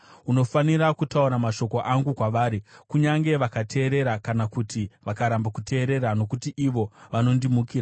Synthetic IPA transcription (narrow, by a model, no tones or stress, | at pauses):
uno̞faniɾakutauɾamaʃo̞koʔaŋɡukwaʋaːɾikuɲaŋɡe̞ʋakatʰe̞ːɾe̞ɾakanakutiʋakaɾambakute̞ːɾe̞ɾano̞kutiʔiʋo̞ʋano̞ndimukiːɾa